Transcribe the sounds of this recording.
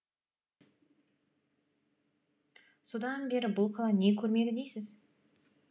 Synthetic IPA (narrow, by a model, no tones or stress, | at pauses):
so̞d̪ɑnbe̞ɾɪbʊlˠqʰɑlˠɑne̞kʲʰɵɾme̞d̪ɪd̪e̞jsɪz